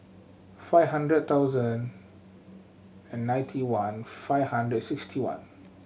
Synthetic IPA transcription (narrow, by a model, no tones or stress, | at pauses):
faɪvɦãndɹəd̚t̪aʊzə̃n | ɛ̃nːãj̃ntʰiwãnfaɪvhãndɹədsikstʰiwã̰n